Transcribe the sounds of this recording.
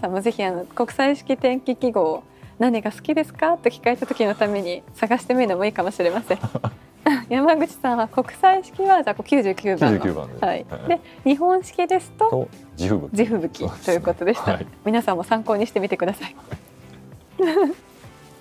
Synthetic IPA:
sãmːo̞ze̞çiano̞ko̞kɯ̟̥saiɕi̥kʲit̪ẽ̞ŋkʲikʲiɡo̞ː | naɲ̟iɡasɨ̥kʲid̪e̞sɨ̥kat̪ːo̞kʲi̥kae̞t̪at̪o̞̥kʲino̞t̪ame̞ɲ̟isaɡaɕi̥t̪e̞mɯino̞mo̞iːkamo̞ɕiɾe̞masẽ̞ | ajamaɡɯ̟t͡ɕi̥sãɰ̃ako̞kɯ̟̥saiɕi̥kʲiβazakokʲɨːʑɨːkʲɨːb̰̪̃ã̰haḭd̪e̞ | ɲ̟iɦõ̞ɰ̃ɕi̥kʲid̪e̞sɨ̥t̪o̞ | iɯbd͡ʑiɸɯ̟bɯ̟kʲit̪o̞jɯ̟ːko̞t̪o̞d̪e̞ɕi̥t̪amʲinasãmːo̞sãŋko̞ːɲ̟iɕi̥t̪e̞mʲit̪e̞kɯd̪asai

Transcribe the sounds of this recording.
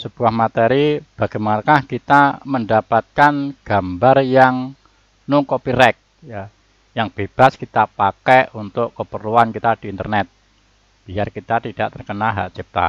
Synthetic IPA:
səb̥uahmat̪eɾib̥aɡ̥amanakahkit̪aməndapat̪̚kanɡ̥a̤mbarjaŋ | nukopiɾɛk̚ | ja | jaŋb̥eb̥a̤skit̪apakeunt̪ʊʔkəpərluankit̪ad̥iːnt̪ərnɛt̪̚ | b̥iarkit̪at̪id̥aʔt̪ərkənaɦa̰ʔt͡ʃip̚t̪a̰

